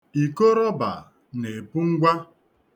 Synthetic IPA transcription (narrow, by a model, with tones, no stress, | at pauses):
i˨ko˦ɾɔ˦ba˨ | ne˨pu˦ŋ̩˦ɡʷa˦